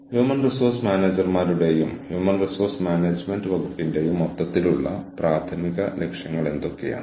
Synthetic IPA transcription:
hjuːmɐnrisoːrsmaːneːd͡ʑɐrmaːɾuɽe̞jumhjuːmɐnrisoːrsmaːneːd͡ʑme̞ndɨʋɐɡupːinde̞jumɐt̪ːɐt̪ːiluɭːɐpraːt̪ʰɐmiɣɐle̞kʂjɐŋːɐɭe̞nd̪o̞kːeja̰ːɳ

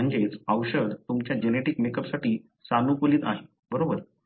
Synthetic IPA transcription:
əɳd͡zet͡səʋɕəd̪t̪umt͡ɕjad͡ʑeneʈikmekəpsaʈiː | sanukuliːt̪a̰ɦe | bəɾobəɾ

